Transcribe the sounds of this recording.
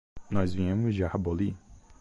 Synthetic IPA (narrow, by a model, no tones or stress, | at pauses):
nɔzvĩĩmʊzd͡ʒɪahaboli